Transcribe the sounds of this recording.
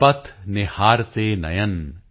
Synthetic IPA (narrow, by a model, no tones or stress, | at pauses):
pɐt̪ʰnɪhaːɾt̪eːnɐ̰jɐn